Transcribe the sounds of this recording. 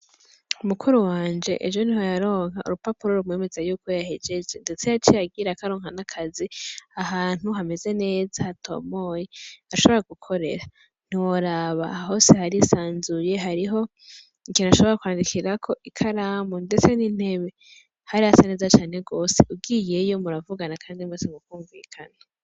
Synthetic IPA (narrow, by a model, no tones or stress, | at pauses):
umukʰuɾuwaːnd͡ʒe̞̰ʔḛʒo̞niɦo̞jaɾo̞ːŋhaṵɾupapuɾo̞ɾumŋe̞ːme̞zajuːkojahed͡ʒe̞d͡ʒe̞nde̞t͡sejat͡ʃijaɡiɾakaɾo̞ːŋhanakʰaziaɦaːn̥huɦame̞ze̞ne̞ːzahːtʰo̞̰mo̞jeaʃo̞βo̞ɾaɡukʰo̞ɾe̞̰ɾa | n̥iwoɾaβa̰aɦo̞ːse̞haɾisaːnzuje̞ɦaɾiɦo̞ | ikinaʃo̞βo̞ɾakwaːndikʰiɾakʰo̞ʔikʰaɾaːmunde̞t͡senin̥he̞βe̞ | haɾihasene̞ːzat͡ʃaːne̞ɡoːseʔub̚ɡiːje̞jo̞muɾavuɡanakʰaːndimwesemukuːɱvḭːkʰana